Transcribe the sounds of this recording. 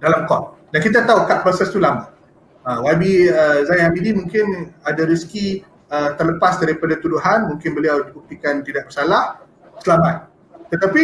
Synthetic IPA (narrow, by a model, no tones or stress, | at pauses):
dalamkɔt̚ | dankit̪̬at̪aukaʔ̚pɾasast̪ulama | awabiəzajnamidimũŋkɪnadaɾiski | ət̪ərləpasdaɾipadat̪uduɦanmũŋkɪnbəliawdibuk̚t̪ikant̪idaʔ̚bəsalah | səlamat̪̚ː | ət̪api